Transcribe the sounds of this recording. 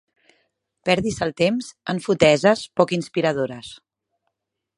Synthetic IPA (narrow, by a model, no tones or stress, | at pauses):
pɛɾðisəlˠt̪emzəɱfut̪ɛzəspɔkinspiɾəð̞oɾəs